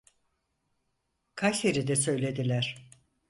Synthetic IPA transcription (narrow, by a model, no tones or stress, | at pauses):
kʰajseɾid̪ɛsø̞jlʲe̞d̪ilʲæɾ̥